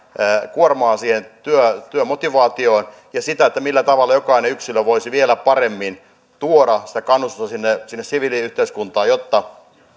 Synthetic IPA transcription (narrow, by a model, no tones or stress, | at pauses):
əːkuormɑːsiːhent̪yøt̪yømot̪iʋɑːt̪ioːn | jɑsit̪æet̪ːæmilːæt̪ɑʋɑlːɑjokɑineyksiløʋoisiʋielæpɑremːin | t̪uoɾɑsi̥t̪ækɑnːust̪ust̪ɑsinːesinːesiʋiliyht̪eiskunt̪ɑːjot̪ːɑ